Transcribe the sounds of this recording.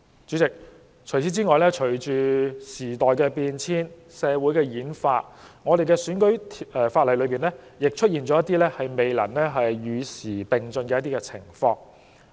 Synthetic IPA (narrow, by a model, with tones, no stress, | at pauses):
t͡ʃyː˨˥t͡sɪ˨k̚ | t͡ʃʰɵ˨˩ɥt͡sʰiː˨˥t͡siː˥ŋɔː˨˧jlɛː˥t͡ʃʰɵ˨˩t͡ʃyː˨siː˨˩t̪ɔː˨jkɛː˧piː˧nt͡sʰiː˥n | sɛː˨˧wuː˨˥jkɛː˧jiː˨˥nfaː˧t̚ | ŋɔː˨˧ɾe˨jkɛː˧syː˨˥nkɵ˨˥ɥtʰɛː˨˧faː˧t̚lɐ˨˩jlɵ˨˧ɥpiː˨nlɛː˥jɪ˨k̚t͡ʃʰɵ˥t̚jiː˨˩nt͡ʃɔː˨˥jɐ˥t̪iː˥lɛː˥hɐ˨jme˨jlɐ̰˨˩nlɛː˥ɦɐ˨jːyː˨˧siː˨˩pɪ˨ŋt͡sɵ˧nkɛː˧jɐ˥t̪̬iː˥kɛː˧t͡sʰɪ̰˨˩ŋfɔː˧ŋ